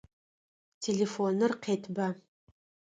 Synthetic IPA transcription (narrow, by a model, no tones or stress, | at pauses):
tʰelefonɨrqʰeːtʰba